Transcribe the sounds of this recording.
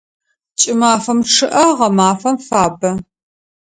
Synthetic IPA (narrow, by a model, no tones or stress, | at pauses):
t͡ʃʼɪmaːfɐmʈ͡ʂʰɨʔɐʁɐmaːfɐmfaːbɐ